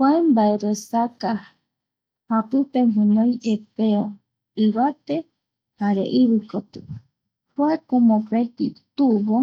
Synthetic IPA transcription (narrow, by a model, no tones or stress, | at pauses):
hwambaeɾosaka | hapɨpemɦɨ̃nõiʔepeo | iβat̪e | haɾḛʔiβɨkot̪ɨ | hwakomopet̪it̪uβo